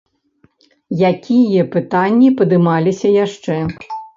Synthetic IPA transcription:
jakʲijɐpɨt̪anʲːipɐd̪ɨmalʲisʲɐjaʂt͡ʂɛ

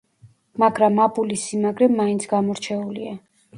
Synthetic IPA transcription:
maɡɾamːabulisimaɡɾɛmːaint̪sʰɡamɔɾt͡ʃʰɛulia

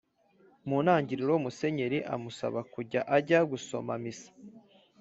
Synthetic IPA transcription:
muːnhaːɲɟiɾiɾomuse̞ɲe̞ɾiʔa̰musa̰βakuɾɟaʔaɟaɡuso̞̰ma̰misḁ

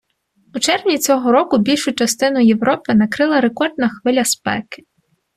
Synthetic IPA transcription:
ut͡ʃɛrwnʲit͡sʲɔɦɔɾɔkʊbʲilʲʃʊt͡ʃɐst̪ɪnʊjewɾɔpɪnɐkɾɪlˠɐɾe̞kɔrd̪̚nɐxʋɪlʲɐspɛ̰kɪ̥

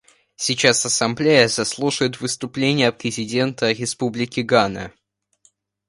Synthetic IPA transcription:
sʲɪt͡ɕasɐsɐmblʲejəzɐslˠuʂəjɪt̪vɨst̪ʊplʲenʲɪjəpɾʲɪzʲɪdʲe̞nt̪əɾʲɪspublʲɪkʲɪɡanə̰

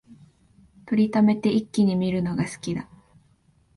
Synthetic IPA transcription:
t̪oɾʲit̪ame̞t̪e̞ʔikʲːiɲ̟imʲiɾɯ̟no̞ɡasɨ̥kʲid̪a

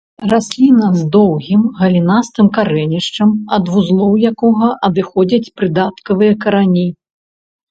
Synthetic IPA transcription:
rasʲlʲinɐzd̪ɔwɣʲimɣɐlʲinast̪ɨmkaɾɛnʲiʂt͡ʂɐmɐd̪vuzlˠɔwjakɔɣɐʔɐd̪ɨxɔd͡zʲɐt͡sʲpɾɨd̪at̪kɐvɨjɐkɐɾanʲi

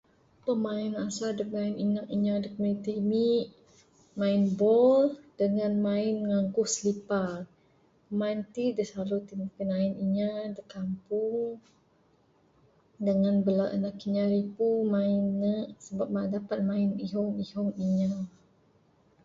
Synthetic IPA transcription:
pəmaɪnasadək̚naɪninaʔiɲadəkmit̪imiʔ | maɪnbɔld̥əŋanmaɪnŋaŋkʊhsəlipa | əmaint̪idəsalut̪imikənaɪniɲadəkampuŋ | dəŋanbəlaʔənaʔkiɲaɾipumaɪnːəʔsəbap̚maʔdapat̪̚maɪniɦɔŋihɔŋiɲa

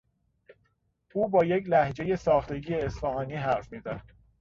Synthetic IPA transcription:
uːbɒːjeclæhd͡ʒe̞je̞sɒːxt̪e̞ɟiːeːsfɒhɒːniːɦæɾfmiːd̪æd̪̥

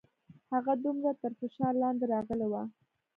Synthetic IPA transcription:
haɣad̪umɾat̪əɾfɪʃɑɾlɑnd̪eɾɑɣəlewa

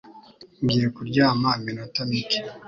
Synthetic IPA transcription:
ŋɡiːjekuɾɟaːmaminotamiki̥

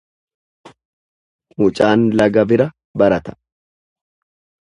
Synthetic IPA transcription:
muːt͡ʃʼaːnlɐɡɐbɪɾɐ | bɐɾɐt̪ɐ̥

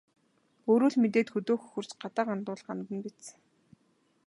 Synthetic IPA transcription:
oːɾuːɮmet̪eːt̪xɵt̪oːxɵxɵ̆rt͡ɕɢat̪aːqant̪ʊːɮɢamt̪ə̆npit̪sə̥̆

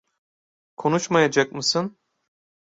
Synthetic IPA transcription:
kʰo̞nuʃmajad͡ʒak̚mɯsɯn

